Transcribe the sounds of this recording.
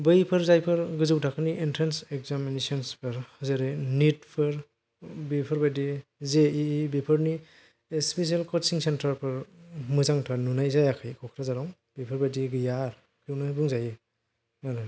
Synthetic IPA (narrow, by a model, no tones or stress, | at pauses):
bɯjpʰɯɾzajpʰɯɾɡɯzɯwtʰakʰɯniʔintʰɾensekzaminesɔnspʰɯɾhɯzɯɾɯnit̚pʰɯɾ | bipʰɯɾbajdizeiːbipʰɯɾni | espes̬ielkʰɔtsiŋsentaɾpʰɯɾmɯzaŋtʰanunajzajakʰajkʰɔkʰɾazaɾaŋ | bɯjpʰɯɾbajdiɡɯjaɾ | kʰwnɯbuŋzajɯ | aɾɯ